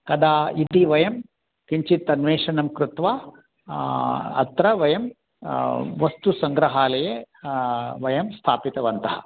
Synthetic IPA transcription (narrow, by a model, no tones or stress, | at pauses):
kɐd̪aːit̪iʋɐjɐm | kiɲt͡ʃit̪ːɐnʋeːʂɐnɐmkɾut̪ʋaː | ɐ̰t̪ɾɐʋɐjɐm | ʋɐst̪usɐŋɡɾɐɦaːlɐje | ʋɐjɐmst̪ʰaːpit̪ɐʋɐnt̪ɐɦɐ̰